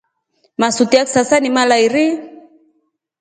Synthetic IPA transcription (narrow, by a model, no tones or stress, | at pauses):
masut̪iaksasanimalaiɾi